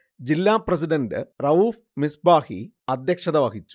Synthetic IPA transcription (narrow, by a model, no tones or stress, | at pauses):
d͡ʑilːaːprɐs̬iɖɐndɨrɐuːf | misbaːhḭ | ɐd̪jɐkʂɐðɐʋɐɦit͡ɕːu̥